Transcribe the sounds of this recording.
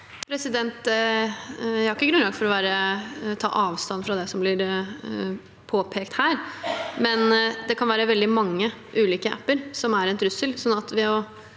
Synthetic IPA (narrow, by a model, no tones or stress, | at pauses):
pʰɾɛsɪd̪ɛnt̪ | jæhɑɾɪkːəɡɾʉnlɑːɡfɔɾɔʋæːɾət̪ʰɑ̰ːʔɑːʋst̪ɑnːfɾɑd̪ɛsɔmblɪɾ | pʰoːpʰeːkt̪hæːɾmɛnd̪ɛkʰɑnʋæːɾəʋɛld̪ɪmɑŋːəʔʉːliːkəʔæpːəɾsɔmæɾɛnt̪ʰɾʉsəlsɔnːɑt̪ʋɪɔ